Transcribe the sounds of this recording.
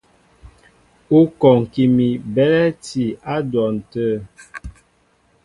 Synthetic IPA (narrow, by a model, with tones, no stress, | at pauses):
u˦kɔ˨ŋ̩˨ki˨mi˨bɛ˦lɛ˦ti˨a˦dwɔ˨n̩˨tə˦˨